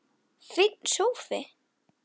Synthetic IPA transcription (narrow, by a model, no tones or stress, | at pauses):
fɪt̪̚n̥sowfɪ